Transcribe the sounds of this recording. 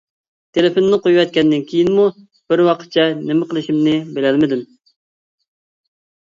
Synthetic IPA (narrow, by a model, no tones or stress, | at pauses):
t̪ʰeleponnɪqojuwɛt̪̚kʲɛnd̪ɪnkʲʰejinmu | b̥ɪɾwɑqʰə̥t̪̚t͡ʃʰɛnemɪqʰəlˠɨʃimnɪbelɛlmɪd̪ɪm